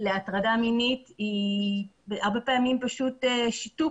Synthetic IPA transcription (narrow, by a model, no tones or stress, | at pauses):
leatʁadaminiti | aʁbe̞peamimpaʃuteʃitu